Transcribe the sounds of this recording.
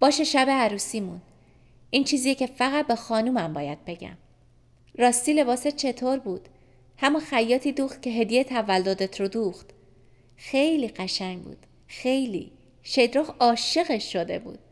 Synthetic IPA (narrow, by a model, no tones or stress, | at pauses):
b̥ɒːʃeʃæbeæɾuːsiːmun | ʔiːnt͡ʃʰiːzijecʰe̞fæɣæt̪̚bexɒːnuːmæmbɒːjæd̪̥̚be̞ɟæ̰m | ɾɒːst̪iːle̞βɒːset͡ʃʰe̞t̪ʰoɾbuːd̪̥ | hæmunxæjːɒːt̪ʰiːd̪uːxt̪̚cʰe̞ɦe̞d̪ijet̪ʰævælːod̪e̞t̪ʰɾod̪uːxt̪ | xe̞jliːɢæʃæɲbṵːd̪̥ | xe̞jlḭ | ʃejd̪ɾoxɒːʃe̞ɣeʃːod̪e̞̰bṵːd̪̥̚